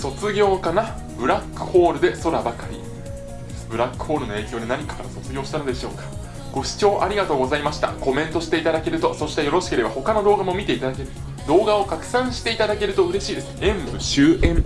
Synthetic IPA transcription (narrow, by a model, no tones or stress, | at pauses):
so̞t͡sɨɡʲo̞ːkana | bɯ̟ɾakːɯ̟̥ho̞ːɾɯ̟d̪e̞so̞ɾabakaɾʲḭ | bɯ̟ɾakːɯ̟̥ho̞ːɾɯ̟noe̞ːkʲo̞ːd̪enaɲ̟ikḁkaɾaso̞t͡sɨɡʲo̞ːɕi̥t̪ano̞d̪e̞ɕo̞ːkḁ | ɡ̥o̞ɕi̥t͡ɕo̞ːʔaɾʲiɡat̪o̞ːɡo̞zaimaɕi̥t̪a̰ko̞mẽ̞nt̪o̞ɕi̥t̪e̞it̪ad̪ake̞ɾɯ̟t̪o̞so̞ɕi̥t̪ejo̞ɾo̞ɕi̥ke̞ɾe̞bahokano̞d̪o̞ːɡamo̞mʲit̪e̞it̪ad̪ake̞ɾɯ̟t̪o | d̪o̞ːɡao̞kakɯ̟̥sãɰ̃ɕi̥t̪e̞it̪ad̪ake̞ɾɯ̟t̪o̞ɯ̟ɾe̞ɕiːd̪e̞sɨ̥ẽmbɯ̟ɕɨːem